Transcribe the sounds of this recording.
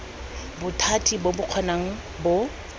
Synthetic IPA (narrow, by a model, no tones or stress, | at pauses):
bʊtʰatʰʼibobʊq͡χʰɔnaŋ̩ | bʊ